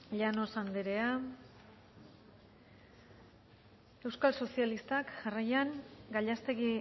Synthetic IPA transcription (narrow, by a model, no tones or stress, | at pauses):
ʎano̞sand̪eɾea | e̞wskalso̞sialist̪akʝarajaŋɡaʎast̪e̞ɣi